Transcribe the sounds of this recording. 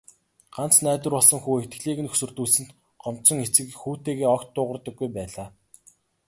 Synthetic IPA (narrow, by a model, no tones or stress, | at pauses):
ɢ̥an̥t͡snæːt̪ə̆rpɔɮsɞ̆ŋxuːekt̪ɡɮiːɣɘ̆nɵ̥sɵ̆rt̪uːɮsɘ̆nt̪ | ɢɔm̥t͡sɞ̆ŋet͡sɘ̆kxuːt̪eːɣeːɔkt̪ːʊːʁə̆rt̪ɞ̆ɡːujpæːɮaː